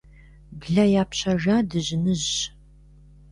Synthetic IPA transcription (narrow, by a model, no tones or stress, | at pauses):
bɮɐjaːpɕɐʒaːdɨʑɪnɨʑ